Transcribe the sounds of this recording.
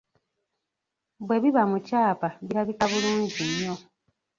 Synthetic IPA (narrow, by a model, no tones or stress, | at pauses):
bwe̞βiβamucaːpaβiɾaβikaβuluːɲɟiɲːo̞